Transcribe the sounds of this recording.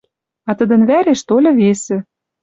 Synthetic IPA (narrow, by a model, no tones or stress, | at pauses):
ɑt̪ə̆d̪ə̆nβæɾeʃt̪olʲɤ̆βesĕ